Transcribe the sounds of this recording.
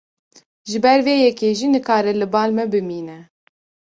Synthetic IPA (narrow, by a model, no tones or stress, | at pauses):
ʒɨbɛɾveːjɛkeːʒiːnɨkɑːɾɛlɨbɑːlmɛbɨmiːnɛ